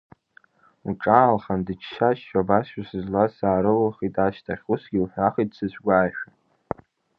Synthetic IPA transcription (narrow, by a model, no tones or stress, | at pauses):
uʈ͡ʂʼaːlχandɨt͡ʃʰʃaʃʃabasʃʷasɨzlasaːɾɨlaχitʼaʃtʰaχʲusɡʲilħʷaχitʼsɨt͡ɕʷʰɡʷaːjʃᶣa